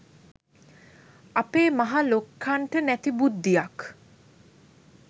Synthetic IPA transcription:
apeːmaɦalokʰːaɳʈənæt̪ibud̪ːijak

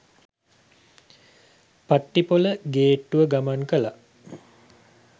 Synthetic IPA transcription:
paʈːipoləɡeːʈːuʋəɡamankəla

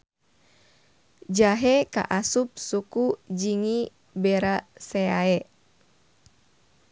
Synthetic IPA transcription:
d͡ʒaɦɛka̰ʔasup̚sukud͡ʒiŋi | bɛɾaseaɛ

